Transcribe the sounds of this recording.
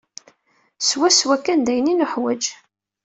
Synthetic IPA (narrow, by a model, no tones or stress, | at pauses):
swæswækːænd̪æjninʊħwæd͡ʒ